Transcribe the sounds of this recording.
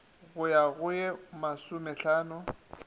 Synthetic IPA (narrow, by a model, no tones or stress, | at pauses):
ɣʊjaɣʊjɛmasʊmɛɬaːnʊ